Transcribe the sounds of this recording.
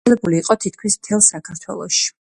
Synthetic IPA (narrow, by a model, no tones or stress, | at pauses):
ɛbuliːqʼɔt̪ʰit̪̚ʰkʰmismt̪ʰɛlˠsakʰaɾt̪ʰwɛ̰lˠɔʃi̥